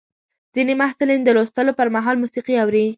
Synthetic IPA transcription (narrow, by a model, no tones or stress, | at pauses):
z̥inemahsulind̪əlost̪əlopəɾmaɦɑlmusiqiawɾi